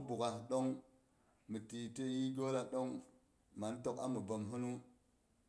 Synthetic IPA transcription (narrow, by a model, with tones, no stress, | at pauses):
bu˨ka˨ɗo˦ŋ | mi˨ti˨te˦ji˦ɡʲo˦la˨ɗo˦ŋ | ma˨n˦to˨ka̰˦mə˨bo˨mɦu˦nu˦